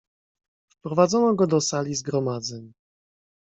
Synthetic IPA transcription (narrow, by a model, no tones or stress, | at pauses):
fpɾɔvad̪zɔnɔɡɔd̪ɔsalʲizɡɾɔmad̪zɛɲ